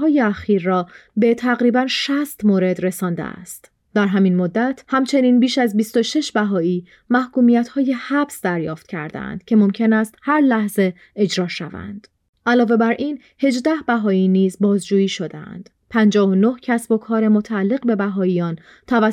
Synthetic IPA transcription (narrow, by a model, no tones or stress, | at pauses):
ɒːjeæxiːɾːɒːbe̞t̪ʰæɣɾiːbænʃæst̪moɾe̞d̪ɾe̞sɒːnd̪ḛæ̰st̪ | d̪æɾɦæminmod̪ːæt̪ʰhæmt͡ʃʰe̞niːnbiːʃæzbist̪o̞ʃe̞ʃbæɦɒːiː | mæhkuːmijæt̪ʰhɒːje̞hæbsd̪æɾjɒ̰ːft̪̚cʰæ̰ɾd̪ḛæ̰nd̪̥cʰe̞mo̞mcʰe̞næst̪hæɾlæhze̞ː | d͡ʒɾɒːʃæ̰væ̰nd̪̥ | ʔælɒːve̞bæɾʔiːn | he̞d͡ʒd̪æhbæɦɒːiːniːzbɒːzd͡ʒuːjiːʃo̞d̪eæ̰nd̪̥ | pʰænd͡ʒɒːɦono̞hcʰæsbo̞kʰɒːɾe̞mot̪ʰæælːe̞ɣbe̞bæɦɒːijɒːn | t̪ʰævæ